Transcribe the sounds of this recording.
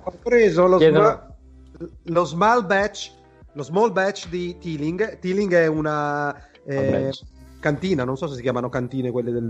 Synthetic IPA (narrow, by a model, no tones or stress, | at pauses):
opɾeːzoloza | lozmalbɛt͡ʃ | lozmɔlbɛt͡ʃd̪it̪iːliŋɡt̪iliŋɡɛuna | ɛɛkant̪iːnanõnsɔs̬esikjaːmanokant̪iːnekwelːed̪e